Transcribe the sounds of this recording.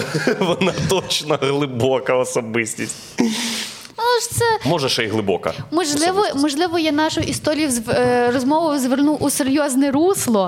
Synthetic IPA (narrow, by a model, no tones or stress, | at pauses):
ʋɔnɑt̪ɔt͡ʃnɐɣlˠɪbɔkɐɔsɔbɪsʲtʲisʲtʲ | uʃt̪sɛmɔʒɛʃɛjɦlˠɪbɔkɐ̰mɔʒlˠɪʋɔmɔʒlˠɪʋɔjɛnɑʃʊʔist̪ɔɾʲijʊzrɔzmɔʋʊzʋernuʔʊseɾʲjɔznɛɾuslˠɔ